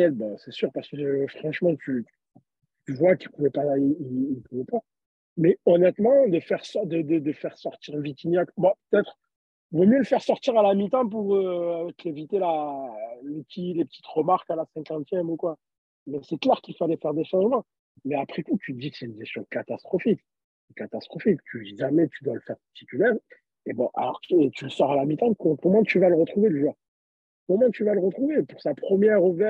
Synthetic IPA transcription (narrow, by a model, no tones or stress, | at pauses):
ɛd̪basɛsyʁpaʁskəfχɑ̃ʃmɑ̃t̪ʰy̥ | t̪yvwakt̪ʰypuvɛpaiiinpuvɛpa | mɛɔnɛt̪mɑ̃d̪əfɛʁsɔd̪əd̪əd̪əfɛʁsɔʁt̪iʁvit̪injakbãpø̥t̪ɛt̪χ | vomjøləfɛʁsɔʁt̪iʁalamit̪ɑ̃p̬uʁøk̪evit̪ela | lepət̪ilepət̪ʰi̥t̪ʁəmaʁkalasɛ̃kɑ̃t̪jɛmukwa | mɛsɛklɛʁkʲilfalɛfɛʁd̪eʃɑ̃ʒmɑ̃ | mɛapχekut̪ʰyd̪ikseynvɛst̪ɔ̃kat̪ast̪χɔfik | kat̪ast̪χɔfikt̪ʰyiʒamɛt̪yd̪waləfɛʁt̪i̥t̪ylɛʁ | ebɔ̰̃ʔa̰lɔ̰ʁet̪yləsɔʁalamit̪ɑ̃kɔ̃kɔmɑ̃t̪yvaləʁət̪χuveʒɔʁ | kɔmɑ̃t̪yvaləʁət̪χuvepuʁsapχəmjɛʁuvɛ